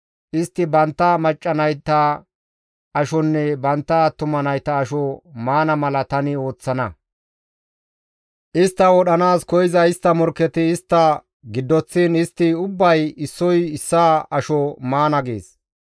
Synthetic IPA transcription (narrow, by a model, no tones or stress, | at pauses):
ʔɪst̪ːɪbɐnt̪ːɐmɐt͡ʃʼːɐnɐjt̪ːɐ | ʔɐʃɔnːɛbɐnt̪ːɐt̪ʊmɐnɐjt̪ɐːʃɔmaːnɐmɐlɐt̪ɐnɪo̞ːt͡sːɐnɐ | ʔɪst̪ːɐwɔɗɐnaːskɔjɪzɐɪst̪ːɐmɔɾkːɛt̪ɪːst̪ːɐ | ɡɪd̪ːɔt͡sːinɪst̪ːɪʊbːɐjɪsːɔjɪsːaɐʃɔmaːnɐɡḛːs